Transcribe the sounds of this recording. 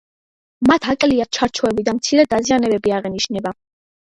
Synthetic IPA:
mat̪ʰakʼliat̪̚t͡ʃʰaɾt͡ʃʰɔɛbid̪amt̪sʰiɾɛd̪azianɛbɛbiaʁɛniʃnɛba

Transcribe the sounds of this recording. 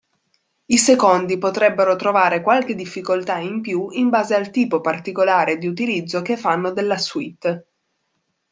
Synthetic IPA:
isekond̪ipot̪ɾɛbːeɾot̪ɾovaːɾekwalk̟ed̪ifːikolt̪aimpjuimbaːzealt̪iːpopart̪ikolaːɾed̪iut̪ilid̪zːokefːanːod̪elːaswit̪ː

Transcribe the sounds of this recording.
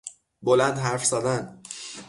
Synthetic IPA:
bolænd̪ɦæɾfz̥æd̪ænd̪

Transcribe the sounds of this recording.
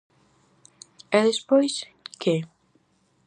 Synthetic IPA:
ɛðespojs | kʰe

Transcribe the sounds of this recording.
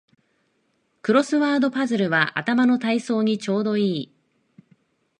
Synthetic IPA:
kɯ̟ɾo̞sɨβaːd̪o̞pazɨɾɯ̟βaʔa̰t̪amano̞t̪aiso̞ːɲ̟it͡ɕo̞ːd̪o̞iː

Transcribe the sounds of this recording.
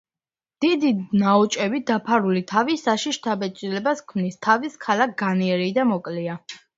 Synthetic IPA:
d̪̥id̪inaɔt͡ʃʼɛbid̪apʰaɾulit̪ʰavisaʃiʃt̪ʰabɛt͡ʃʼilɛbaskʰmnist̪ʰaviskʰalak̚ʰɡ̥aniɛɾid̪amɔkʼlia

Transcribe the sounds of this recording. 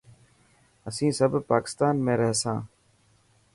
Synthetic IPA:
əsĩːsəbpaːkɪ̥st̪aːnmẽːɾɛɦsãː

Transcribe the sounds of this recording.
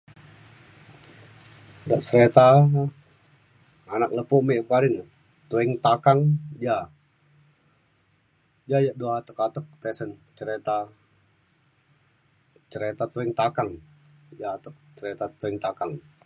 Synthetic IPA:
daʔsəɾet̪a | anak̚ləpumebkadɪŋ | t̪uɛŋt̪akaŋja | d͡ʒajaduaat̪əkat̪ək̚t̪ɛsənt͡ʃəɾet̪a | t͡ʃəɾet̪at̪uɛŋt̪akaŋ | jaːt̪ək̚t͡ʃəɾet̪at̪uɛŋt̪akaŋ

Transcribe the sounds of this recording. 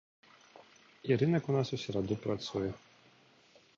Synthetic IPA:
iɾɘnɛkunasɔɕɛɾad̪ɔpɾat̪sujɛ

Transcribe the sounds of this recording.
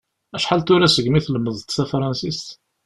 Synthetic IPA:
æʃħalt̪ʊɾæsəɡmiθləmːəðˤt̪θæfɾˤɑnsist̪

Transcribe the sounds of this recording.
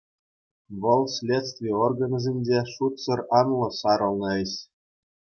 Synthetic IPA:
ʋɤ̆lˠsʲlʲet̪t͡st̪ʲvʲiorɡɤ̆nɤ̆zʲenʲdʲeʂut̪sɤ̆rɑnlˠɤ̆sɑɾɤ̆lˠnɤ̆eɕ

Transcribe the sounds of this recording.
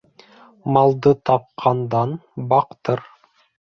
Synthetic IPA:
mɑlˠd̪ɤt̪ʰɑp̚qʰɑnd̪ɑnbɑqt̪ɤɾ

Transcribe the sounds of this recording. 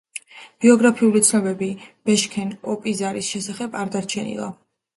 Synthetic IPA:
b̥iɔɡɾapʰiulit̪sʰnɔbɛbib̥ɛʃkʰɛnɔpʼizaɾisʃɛsaχɛbaɾd̪aɾt͡ʃʰɛnḭlˠa̰

